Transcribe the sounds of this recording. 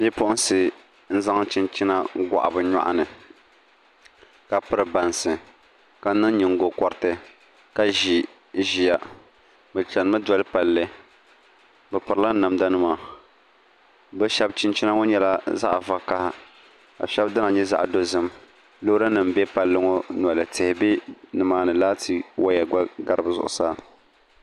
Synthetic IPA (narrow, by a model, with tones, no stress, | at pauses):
bi˦pʊ˦ʔʊ˦n˦sɨ˨ | n̩˦za˦ŋt͡ʃi˦nt͡ʃi˦na˦ɡʷa̰˨ʔa̰˨bɨ˨ɲa̰˦ʔa̰˦nɨ˨ | ka˨pɨ˦ɾɨ˨ba˨nsɨ˨ | ka˨˦nɨ˦ŋ˦ɲɨ˨ŋ˦ɡo˨kɔ˨ɾɨ˦tɨ˦ | ka˦ʒi˨ | ʒi˨ja˨ | bɨ˨t͡ʃɛ˨n˦mɨ˦dɔ˦lɨ˦pa˨lːɨ˦ | bɨ˨pɨ˨ɾɨ˦la˦na˨mda˦nɨ˦ma˨ | bɨ˦ʃɛ˦b̚t͡ʃɪ˦nt͡ʃi˦na˦ŋo˦ɲɛ˦la˦za̰˦ʔa˨va˨ka˦ha˦ | a̰˨ʃɛ˦bdɨ˦na˨ɲɛ˦za̰˦ʔdo˦zɨ˦m | lo˦ɾa˦nɨ˨mbɛ˦pa˨lːɨ˦ŋo˦n˨a˨lɨ˨tɪ˨hɪ˨bi˦nɨ˨maː˦nɨ˨laː˦tʰi˨wʔa˦ja˨ɡa˦ɡa˦ɾɨ˦bzʊ̰˨ʔʊ̰˨saː˦